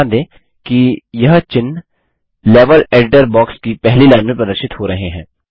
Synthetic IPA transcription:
d̪ẽː | kijɐɦt͡ʃɪn | leːʋəleːɖɪʈəɾbɔːkskipɛɦlilaːɪnmẽpɾɐd̪əɾʃɪt̪hoɾɐɦeɦɛ̃ː

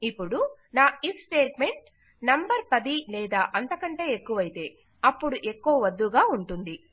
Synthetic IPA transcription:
ipːuɽunaːipʰsʈeːʈme̞ɳʈ | nɐmbɐɾpɐd̪ilɛːd̪aːʔɐnt̪ɐkɐɳʈe̞ːekːuʋɐjit̪e̞ː | ɐpːuɽuʔe̞kːuʋɐʋɐd̪ːuɡaːuɳʈund̪i

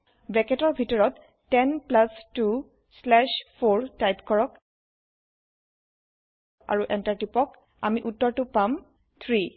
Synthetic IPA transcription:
bɹɛkɛtɔɹbʱitɔɹɔtː | ɛnplastu | slɛʃpʰoɹtajpkɔɹɔk | a̰ɹuʔɛntaɹtipɔk | a̰miʔutːɔɹtʊpam | t̪ʰɹi

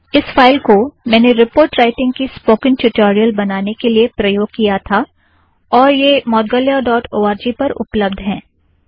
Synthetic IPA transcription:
ɪsfaːɪlkomɛ̃ːneɾɪpoːɾʈɾaːɪʈɪ̃ŋɡkispoːkɪ̃ŋʈʊʈoːɾijəlbɐnaːnekeliepɾɐjoːɡ̚kijat̪ʰa | ɔːɾjemɔːd̪ɡəljaɖɔːʈoːaːɾd͡ʒipɐɾʊ̰pləb̚d̪ʱɦɛ̃ː

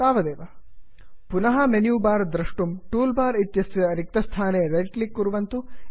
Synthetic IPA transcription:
saːʋɐd̪eːʋɐ | punɐɦɐmenjuːbaːɾd̪ɾɐʂʈumʈuːlbaːɾit̪jɐsjɐɾik̚t̪ɐst̪ʰaːneːɾeʈlikːuɾuʋɐnt̪u

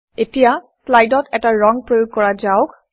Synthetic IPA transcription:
etija | slajdɔtɛtaɹɔŋpɹojoɡ̚kɔɹazaʊk

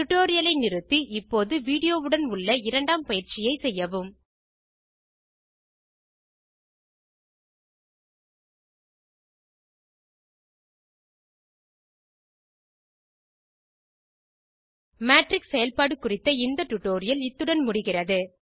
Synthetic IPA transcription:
ʊʈːoːɾɪjɐlɐɪnɪrɯt̪ːiʔɪpːoːðɯʋiːɽɪjoːʋɯɽɐnʊɭːɐɪɾɐɳɖaːmpɐjɪɾt͡ʃɪjɐɪsɛjːɐʋɯm | maːʈrɪksɛjɐlpaːɽɯkːʊrɪt̪ːɐɪnd̪ɐʈʊʈːoːɾɪjɐlɪt̪ːɯɽɐnmʊɽɪɣɪrɐðɯ

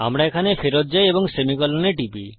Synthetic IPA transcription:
a̰mɽaekʰanepʰeɾɔt̪̚d͡ʒajebɔŋsemikɔlɔneʈibi

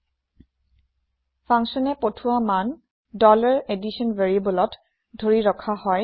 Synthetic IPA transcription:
pʰaŋsɔnɛpotʰʊwaman | dɔlaɹedisɔnveɹibɔlɔt | dʱoɹiɹɔkʰahɔj

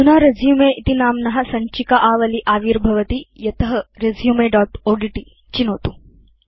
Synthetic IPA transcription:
sunaːɾezjumeːʔit̪inaːmnɐɦɐ̆sɐɲt͡ʃikɐʔaːʋɐliʔaːʋiːɾbʱɐʋɐt̪ijɐt̪ɐɦɐɾezjumeːɖaːʈoːɖiʈi | t͡ʃinoːt̪u̥

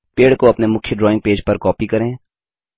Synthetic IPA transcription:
peːɽkoɐpnemʊkʰjəɖɾɔːɪ̃ŋɡ̚peːd͡ʒpɐɾkɔːpikɐɾẽː

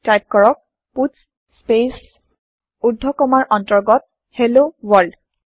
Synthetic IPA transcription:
tajp̚kɔɹɔk̚ | puts | spes | udʱːɔkɔmaɹʔɔntɔɹɡɔt̚ | helowɔɹd

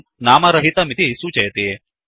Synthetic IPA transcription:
naːmaɾɐɦit̪amit̪ʰiɦisut͡ʃɐjt̪ee

